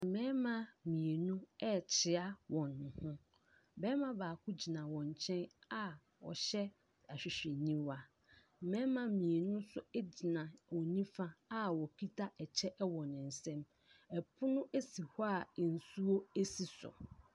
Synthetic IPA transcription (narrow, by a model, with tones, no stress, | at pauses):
m̩˨mɛ̃˦mã˦mĩ˨e˨nũ˦ɛ˦t͡ɕʰɪ˨a˦wɔ̃˨nːʊ̃˨hʊ̃˦ | bɛ˦mã˦baː˨kʰʊ˦d͡ʑi˨nã˨wɔ̃˨ɲ˨t͡ɕʰɛ̃˦na˦ | wɔ̰˨ɕɛ˦ | a˨ɕᶣɪ˨ɕᶣɛ˨nĩ˦wa˨ | mɛ̃˦mã˨˦mĩ˨e˨nʊ̃˦sʊ˦ɛ˦d͡ʑi˨nã˨wɔ˨nĩ˦fã˦a˦wɔ˨kʰi˦tʰa˦ɛ˨t͡ɕʰɛ˦ʔɛ˦wɔ̃˨nɪ̃˨n̩˨sɛ̃˦m | ɛ˨pʰʊ˦nʊ̃˦ʔe˦si˨hɔ˦a˨n̩˨su˦o˦e˦si˨sʊ̰˨